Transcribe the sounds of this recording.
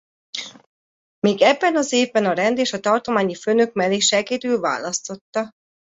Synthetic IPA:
meːɡɛbːɛnɒzeːvbɛnɒɾɛnd̪eːʃɒt̪ɒrt̪o̞maːɲifønøk̚mɛleːʃɛɡeːd̪yːlva̰ːlɒst̪o̞t̪ːɒ

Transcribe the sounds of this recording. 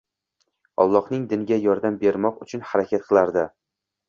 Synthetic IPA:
ɒ̰lˠːɒhnɪŋd̪ɪnɪɡʲajɒɾd̪ambe̞ɾmɒqʊt͡ʃʰʊnhaɾakʲʰat̪̚qʰɨlˠaɾd̪ɪ

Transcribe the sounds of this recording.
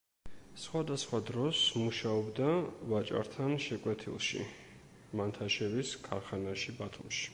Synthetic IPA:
sχwad̪asχwad̪ɾɔsmuʃaɔbd̪avat͡ʃʼa̰ɾt̪ʰanʃɛkʼwɛt̪ʰḭlˠʃḭ | mant̪ʰaʃɛviskʰaɾχanaʃibat̪ʰumʃi̥

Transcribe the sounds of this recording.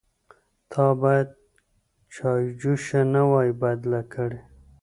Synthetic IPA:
t̪ʰɑbɑjad̪̚ | t͡ʃɑjd͡ʒuʃanawɑjibajd̪lakʰəɽe

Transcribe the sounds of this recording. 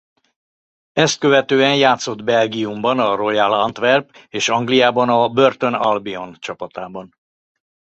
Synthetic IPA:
ɛst̪̚køvɛt̪øːɛnjaːt̪so̞d̪bɛlɡiumbɒnɒro̞jɛlɒnt̪ʋɛrbeːʃɒŋɡlijaːbɒnɒbø̞rt̪o̞nɒlbio̞nt͡ʃɒpɒt̪aːbɒn

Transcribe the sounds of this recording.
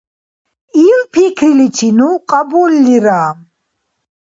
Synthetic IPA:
ilpʰikʰɾilit͡ʃʰinuqʼabɔlːiɾaːm

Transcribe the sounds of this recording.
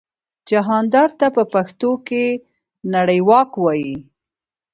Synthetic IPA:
d͡ʒaɦɑnd̪ɑɾt̪apəpaxt̪oke | naɽəjwɑkwɑji

